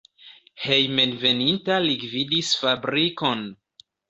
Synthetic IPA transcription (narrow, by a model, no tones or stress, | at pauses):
he̞jme̞nve̞nintaliɡvidisfabɾiko̞n